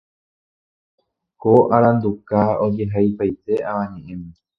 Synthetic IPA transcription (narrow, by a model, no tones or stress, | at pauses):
koʔaɾãnd̪ukaod͡ʒeɦajpajt̪e̞ãʋãɲẽʔẽmĩ